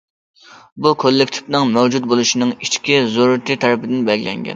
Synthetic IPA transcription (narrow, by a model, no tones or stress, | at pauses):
bukʰolːɪkʲt̪ʰɪ̥fnɨŋmæwd͡ʒut̪̚bolˠuʃinɨŋit͡ʃkʲizoɾɨt̪ʰɨt̪ʰæɾɪpɪd̪ɪnbɛɡʲlɛ̰ŋɡʲɛ̰n